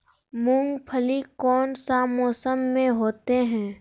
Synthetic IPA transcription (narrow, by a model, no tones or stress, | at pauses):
mʊ̃ŋɡpʰəlikɔːnsamɔːsəmːẽɦoːt̪eɦɛ̃ː